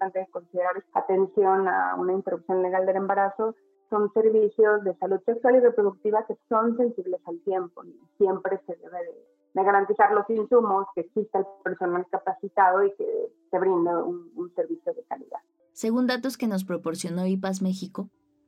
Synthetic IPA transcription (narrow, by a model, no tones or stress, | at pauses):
t̪ant̪eðeko̞nsiðeɾaɾa̰t̪e̞nsjo̞na̰ṵnaint̪eɾupsjo̞nle̞ɣald̪e̞le̞mbaɾaso̞ | so̞nse̞ɾβisjo̞zðe̞saluðse̞kswalirepɾo̞ðuk̚t̪iβake̞so̞nse̞nsiβle̞salt̪je̞mpo̞̰isje̞mpɾe̞se̞ðḛβeðe | ðeɣaɾant̪isaɾlo̞sinsumo̞skeːksist̪eelpe̞ɾso̞nalkapasit̪aðoikḛ | se̞βɾind̪eununse̞ɾβisjo̞ðe̞kalḭða̰ð | se̞ɣund̪at̪o̞ske̞no̞s̬pɾo̞po̞ɾsjo̞no̞ipas̬me̞xiko̞